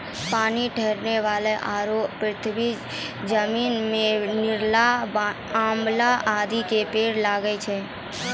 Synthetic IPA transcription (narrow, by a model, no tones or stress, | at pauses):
paːniʈʰɛɦɾneʋaːleʔaːɾoːɾɪt̪ʰbi | d͡ʒəmiːnmẽnɪɾlab | ãːmlaʔaːd̪ikepeːɾlaːɡəet͡ʃʰe